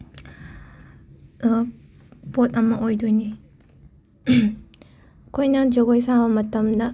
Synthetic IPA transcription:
potɐmɐʔojdojni | kʰojnɐd͡ʒoɡojsabɐmɐtɐmdɐ

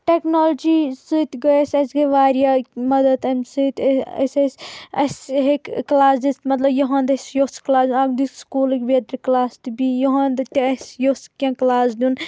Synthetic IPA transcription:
ʈeknoːld͡ʒiːsɨt̪ɡɐesʲɐsɡɐʋaːɾjaːmɐd̪ɐd̪ɐmsɨt̪ɐ̰sʲɐsʲɐ̰sɦekklaːsd̪ist̪mɐt̪lɐbjɐɦãːnd̪ɐsjosklaːsʲnaːɡd̪ikskuːlikʲʋed̪ɾiklaːst̪ibijoɦãnd̪ɨt̪iɐsjoskʲãklaːsd̪ʲun

